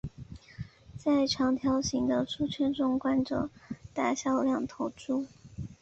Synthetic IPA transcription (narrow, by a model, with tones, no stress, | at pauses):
t͡sa˥˩ɪʈ͡ʂʰɑ˧˥ŋt̪ʰjɑ˧˥ʊɕi˧˥ŋd̪ə˧ʈ͡ʂʰu˥t͡ɕʰɥɛ˥˧nʈ͡ʂʊ˥˧ŋkwa˥nʈ͡ʂɤ̰˨˩t̪a˥˩ɕjɑ˥˧ʊljɑ˥˩ŋt̪ʰo˧˥ʊʈ͡ʂu˥˩